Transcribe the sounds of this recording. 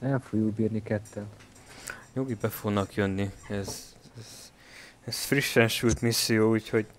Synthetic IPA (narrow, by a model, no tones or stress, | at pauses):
ɛlfoɡjubiːrnikɛt̪ːɛn | jo̞ɡibɛfoɡnɒkjø̞nːiɛzɛz̥ | ɛsfriʃːɛnʃult̪misːijoːuːcho̞ɟ